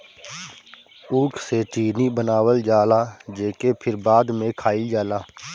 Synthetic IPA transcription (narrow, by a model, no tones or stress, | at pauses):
uːkʰset͡ʃiːnibənaːwəld͡ʒaːlaːd͡ʒeːkepʰɪɾbaːd̪mẽkʰaːid͡ʒaːlaː